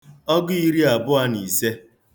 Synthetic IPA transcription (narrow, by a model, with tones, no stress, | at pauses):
ɔ˦ɡʊ˦i˦ɾi˦a˨bʊ˦a˦ni˨se˦